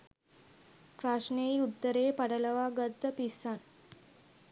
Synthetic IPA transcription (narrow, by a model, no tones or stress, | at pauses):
pɾaʂneut̪ːəɾeːpaɽələʋaɡət̪ːəpisːan